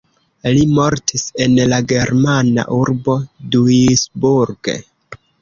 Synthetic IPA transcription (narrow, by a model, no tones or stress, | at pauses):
limo̞ɾtʰise̞nlaɡe̞ɾmana̰ʔuɾbo̞duisbuɾɡḛ